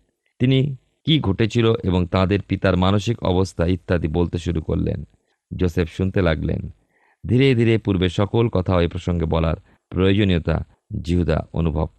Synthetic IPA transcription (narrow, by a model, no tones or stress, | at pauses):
t̪ini | kiɡʱoʈet͡ɕʰiloʔeboŋt̪ãd̪eɾpit̪aɾmanoʃikɔ̰bost̪ʰait̪ːad̪ibolt̪eʃuɾuko̰ɾlḛn | d͡ʑosefʰʃunt̪elaɡlḛn | d̪ʱiɾed̪ʱiɾepuɾbeʃɔkolkɔt̪ʰaoepɾoʃoŋɡebɔla̰ɾ | pɾojod͡ʑoniot̪a̰ | d͡ʑiɦud̪a̰o̰nubʱo̰b̚